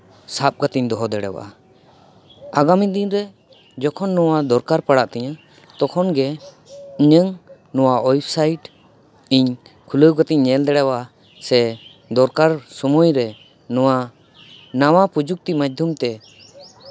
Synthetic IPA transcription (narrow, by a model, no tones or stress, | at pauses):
sap̚ɡat̪iɲd̪ɔɦɔd̪ɛɽɛ̰wa̰ | aɡamid̪inɾɛ | d͡ʒɔkʰɔnːɔwad̪ɔɾkaɾpaɽaʔt̪ɛɲã | t̪ɔkʰɔnɡɛ | iɲəŋ | nɔwaʔɔjbsajʈ | iɲkʰuləwɡɔt̪iɲːɛld̪ɛɽɛwa | sɛ | d̪ɔɾkaɾsɔmujɾɛ | nɔwa | nawapud͡ʒuk̚t̪imad͡ʒ̚d̪ʱumt̪ɛ